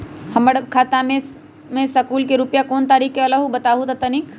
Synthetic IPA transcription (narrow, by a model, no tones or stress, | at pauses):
həməɽkʰaːt̪amẽ | mẽsəkuːlkeɾupjakoːnt̪aːɾikːeələɦubət̪aɦut̪ət̪ənik